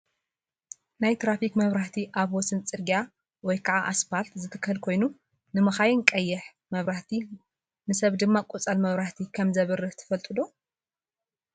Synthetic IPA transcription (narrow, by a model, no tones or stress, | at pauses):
najt̪ɾafikmɐβɾaht̪ʰiʔaβwɔsɨnt͡sʼɨɾɡa | wɔjkʰaʕaʔaspalt̪zɨt̪ʰɨ̥kːhɨlkʰo̞jnu | nɨmɐxajɪnkʼɐjːɛħ | mɐβɾaht̪ʰi | nɨsɐβd̪ɨmːakʼut͡sʼɐlmɐβɾaht̪ʰikʰɐmzɐβɨrɨt̪ʰɐ̥fɐlt̪ʼɨd̪o